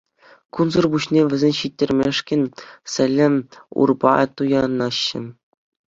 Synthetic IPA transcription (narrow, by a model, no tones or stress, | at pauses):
kunzɤrbuɕnʲeʋʲɘ̆zʲenʲɕitʲːĕrʲmʲeʂkʲɘ̆nʲsʲɘ̆lʲːɘ̆mṵrbɑ̰t̪ujɑnɑɕːɘ̆